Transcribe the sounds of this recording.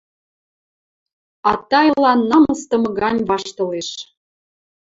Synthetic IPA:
ɑt̪ɑjlɑnːɑməst̪ɤ̆mɤ̆ɣɑnʲβɑʃt̪ɤ̆leʃ

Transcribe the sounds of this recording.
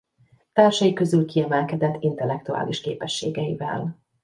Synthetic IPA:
t̪aːrʃɒjikø̞zylkiɛmɛlkɛd̪ɛt̪ʰːint̪ɛlːɛk̚t̪ua̰ːliʃkeːpɛʃːeːɡɛjḭvɛ̰l

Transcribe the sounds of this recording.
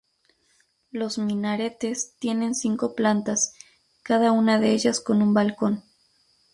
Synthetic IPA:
lo̞zmĩnaɾe̞t̪e̞st̪je̞ne̞nsiŋko̞plant̪as | kaðaunaðe̞eʝasko̞numbalko̞n

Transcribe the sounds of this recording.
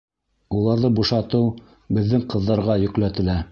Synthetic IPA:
ulˠɑɾðɤbuʃɑt̪ɤw | bɘ̆ðːɘŋqɤ̆ðːɑɾʁɑjɵ̆klæt̪ɘ̆læ

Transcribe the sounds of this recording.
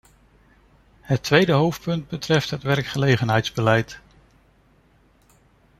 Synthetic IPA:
ɦətʋejdəɦowft̚pɵnd̚bətrɛftɦətʋɛɹkχəlejχənɦɛjtzbəlɛjt

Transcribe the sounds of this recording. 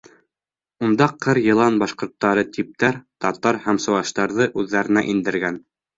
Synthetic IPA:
und̪ɑqʰɤɾjɤ̆lˠɑnbɑʃqŏɾt̪ːɑɾɤt̪ip̚t̪æɾt̪ɑt̪ɑɾhæmsŏwɑʃt̪ɑɾðɤʔʉðːæɾɘ̆næ̰ʔind̪ɘ̆ɾɡæn

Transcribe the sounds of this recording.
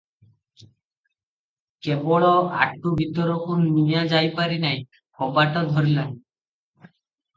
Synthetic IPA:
kebɔɭɔa̰ʈːubʱit̪ɔɾɔkunːijãd͡zajpaɾinaj | kʰɔbaʈɔt̪bʱɔɾlan

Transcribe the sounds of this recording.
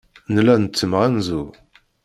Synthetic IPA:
nlænət͡sːəmʁænzu

